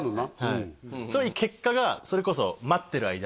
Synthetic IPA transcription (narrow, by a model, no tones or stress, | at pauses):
nonahaisoːjikʰe̞kːaɡaso̞ɾe̞ko̞so̰mat̪ːe̞ɾɯ̟a̰id̪a